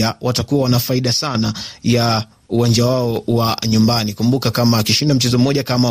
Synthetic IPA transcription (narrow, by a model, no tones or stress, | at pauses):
awʔatakuwawanafaiɗasanaja | uwand͡ʒawaɔwaɲumbanikumbukakamaːkiʃindam̩t͡ʃɛzɔm̩mːɔʄakama